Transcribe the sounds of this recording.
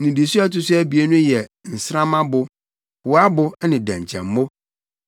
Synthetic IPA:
nĩ˨di˨su˦a˦tʊ˦sʊ˦æ˦bi˨e˦nʊ̃˦jɛ˨n̩˨sɾã˦mã˦bʊ˨ | wʊ˨a˦bʊ˦nɪ̃˨dæ̰̃˨ɲ˨t͡ɕʰɛ̰̃˨m˦mʊ̃˦

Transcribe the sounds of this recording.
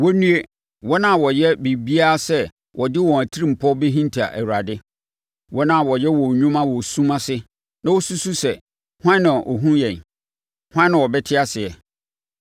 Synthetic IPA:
wɔ˦nũ˦e˦ | wɔ˦nã˦˨wɔ˨jɛ˦bi˨bi˦a˦sɛ˦ | wʔɔ˨dɪ˦wɔ̃˨æ˨tʰi˦ɾi˦m̩˨pʰɔ˦be˦ɦĩ˦ntʰa̰˨ʔæ̰˨wu˨ɾa˨dɪ˦ | wɔ˦nã˦˨wɔ˨jɛ˦wɔ̃˨ɲũ˦mã˦wɔ˨sũ˦mã˦sɪ˦ | nã˦wɔ˦su˦su˦sɛ˨ | hwã˦nã˨ʔɔ̰˨ɦũ˦jɛ̃˨n | hʷwã˦nã˨wɔ˨bɛ˦tʰɪ˦a˦sɪ˨ɛ˨

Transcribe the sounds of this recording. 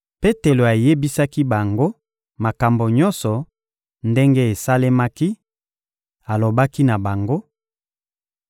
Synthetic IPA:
pe˦te˨lo˨a˨je˦bi˦sa˦ki˦ba˨ŋɡo˦ | ma˨ka˨mbo˨ɲɔ˦nsɔ˨ | nde˦ŋɡe˦e˨sa˦le˦ma˦ki˦ | a˨lo˨ba˦ki˦na˨ba˨ŋɡo˦

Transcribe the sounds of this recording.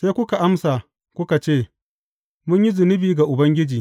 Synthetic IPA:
se˦kʷʊ˦ka˨ʔa˦msa˨ | kʷʊ˦ka˨t͡ʃeː˦˨ | mʊ˦ɲji˦zʊ˨nɪ˦biː˨ɡa˨ʔʊ˨bɐ˦ŋɡʲɪ˦d͡ʒiː˨

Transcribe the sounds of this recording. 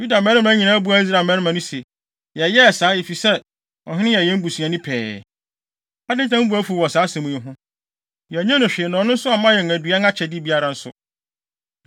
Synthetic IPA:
ju˦da˨mɛ̃˦ɾmã˨˦ɲĩ˨nã˦bu˦a˨˦i˦s̬ɾa˨mɛ̃˦ɾɪ˦mã˨nʊ̃˦se˨ | jɛ˨jɛ˦ɛ˨saː˨˦e˨fi˨sɛ˦ | ɔ̰˨ɦɪ̃˦nɪ̃˦jɛ˨jɛ̃˦m̩˦bu˨sũ˨ã˨nɪ̃˦pʰɛ̰ː˨ | a˦dɪ̃˦n˦tʰã˦m̩˦bu˨˦æ˦fu˨wɔ˨saː˨˦sɛ̃˨mũ˨ɛ˨ɦʊ̃˦ | jɛ˨ɲã˦nʊ̃˨ɕᶣɪ˨ɛ˨nɔ̃˨˦nʊ̃˦n̩˦sʊ˦a˨mã˦jɛ˨n˨æ˨du˨a˦ŋa˦t͡ɕʰɛ˨dɪ˦bi˦a˦˨ɾã˨n̩˦sʊ̰˨

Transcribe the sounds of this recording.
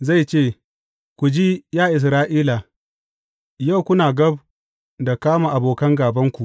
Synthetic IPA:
za˦˨jt͡ʃeː˦˨ | kʷu˨d͡ʒi˦jaː˦ʔɪ˨s̬ɾaː˦ʔiː˦la˨ | ja˦˨wkʷʊ˦naː˨ɡɐ˦b | da˨kaː˦maː˨ʔa˨boː˨kɐ˦ŋɡaː˨bɐ˦ŋkʷu˨ʔ

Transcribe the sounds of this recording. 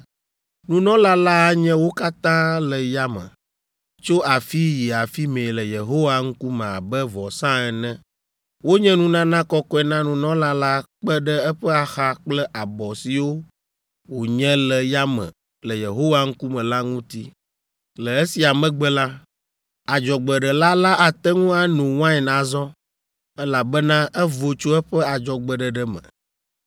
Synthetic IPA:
nũ˨nɔ̃˦la˦la˦a˦ɲɛ̃˦wo˦ka˦t̪ã˦lɛ˨ja˦mɛ̰̃˨ | t͡ʃo˦a˨fi˦ji˨a˨fi˦mẽ˨lɛ˨je˨ɦo˦wa˦ŋ̩˦ku˦mɛ̃˨a˨bɛ˦vɔ˨sã˦ɛ˨nɛ̃˦ | wo˦ɲɛ̃˦nũ˦nã˦nã˦kɔ˦kɔ˦ɛ˦˨nã˦nũ˨nɔ̃˦la˦la˦k͡pɛ˦ɖɛ˦ɛ˦ɸɛ˦a˨xa˦k͡plɛ˦ʔa˨bɔ˨si˨wo˦ | wo˨ɲɛ̃˦lɛ˨ja˦mɛ̰̃˨ | lə˨je˨ɦo˦wa˦ŋ̩˦ku˦mɛ̃˨la˦ŋũ˦t̪i˦ | lɛ˨e˦si˨a˨mɛ̃˦ɡ͡bɛ˦la˦ | a˨d͡ʒɔ˨ɡ͡bɛ˨ɖɛ˨la˦la˦ʔa˨t̪ɛ˦ŋũ˦a˦nũ˨wã˦ɛ˨nã˨zɔ˦ | ɛ˦la˨bɛ˦nã˦ʔɛ˦vo˨t͡ʃo˦ɛ˦ɸɛ˦a˨d͡ʒɔ˨ɡ͡bɛ˨ɖɛ˨ɖɛ˦mɛ̰̃˨

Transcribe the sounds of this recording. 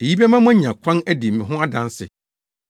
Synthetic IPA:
e˨ji˦bɛ˦mã˦mʊ̃˦æ̃˦ɲ˨ã˨kʷʰã˦næ˦di˨mɪ̃˨ɦʊ̃˦a˦dã˦nsɪ̰˨

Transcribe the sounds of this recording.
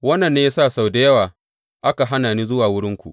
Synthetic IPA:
wɐ˦nːɐ˨nːeː˦ja˦saː˦˨sa˨wde˦jɐ˦waː˨ | ʔa˦ka˨ɦa˦naː˨niː˦zʊ˦waː˨wʊ˦ɽɪ˦ŋkʷu˨ʔ

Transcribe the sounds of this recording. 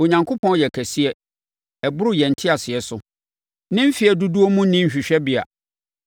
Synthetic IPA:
o˨ɲã˨ŋkʰo˦pʰɔ̃˦n˦jɛ˨kʰæ˨si˦ɛ˦ | ɛ˨bʊ˦ɾʊ˦jɛ˨n̩˨tʰɪ˦a˨sɪ˨ɛ˨sʊ˦ | nɪ̃˦m̩˦fi˨ɛ˨du˦du˦o˦mũ˦nɪ̃˦˨ɕᶣi˨ɕᶣɛ˦bi˨a̰˨

